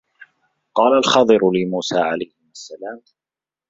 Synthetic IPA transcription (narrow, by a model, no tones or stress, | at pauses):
qɑːlalxɑːd̪ˤɨɾʊlɪmuːsaːʕalajhɪmʔasːalaːm